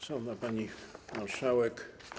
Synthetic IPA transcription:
sɔ̃napaɲimaɾʂawɛk

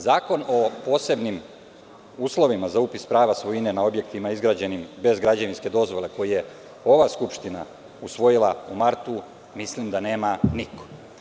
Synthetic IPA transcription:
zaːko̞no̞po̞ːse̞bnim | uːslˠo̞ʋimazaupispɾaːʋasʋoinenao̞bje̞kt̪imaizɡɾad͡ʑe̞nimbe̞zɡɾad͡ʑaʋinske̞d̪o̞zʋo̞lˠe̞ko̞jije̞ | o̞ʋaskupʃt̪ina̰ | usʋo̞jilˠaumaɾt̪u | mislimd̪ane̞ːmaniko̥

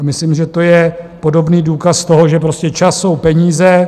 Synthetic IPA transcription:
amɪslimʒɛt̪o̞jɛpo̞do̞bniːduːkast̪o̞ɦo̞ʒɛp̬ɾo̞scɛt͡ʃasːo̞wpɛɲiːzɛ

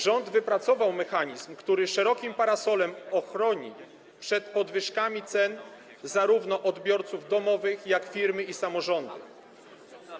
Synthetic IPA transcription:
ʐɔnd̪vɘpɾat̪sɔvawmɛxaɲizmkt̪uɾɘʂɛɾɔkʲimpaɾasɔlɛmɔxɾɔɲḭ | pʂɛt̪pɔd̪vɘʂkamʲit̪sɛn | zaɾuvnɔʔɔd̪bʲjɔɾt̪suvd̪ɔmɔvɘxjakfʲiɾmɘisamɔʐɔnd̪ɘ

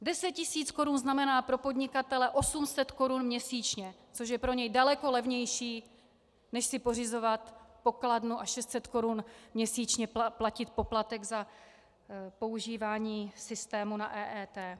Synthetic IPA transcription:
dɛsɛt̪̚cɪsiːt͡sko̞ɾunznamɛnaːpɾo̞po̞dɲɪkat̪ɛlɛʔo̞sumsɛt̪ko̞ɾunmɲɛsiːt͡ʃɲɛ | t͡so̞ʃ̬jɛpɾo̞ɲɛjdalɛko̞lɛvɲɛjʃiː | nɛʃsɪpo̞rɪzo̞vat̪po̞kladnuʔaʃɛst̪sɛt̪ko̞ɾunmɲɛsiːt͡ʃɲɛplacɪt̪̚po̞plat̪ɛɡza | po̞uʒiːvaːɲiːsɪst̪ɛːmunaʔɛːʔɛːt̪ɛː

